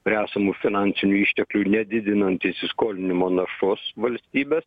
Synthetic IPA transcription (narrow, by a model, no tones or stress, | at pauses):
pʲɾʲæːsɐmuːfʲɪnɑːˑnʲsʲɪnʲuːiːʃʲt̪ʲɛklʲunʲɛd̪ʲɪd̪ʲɪnɐnʲt̪ʲɪsʲɪskoːlʲɪnʲɪmoːnɐʃʊsʋɐlʲsʲt̪ʲiːbʲeːs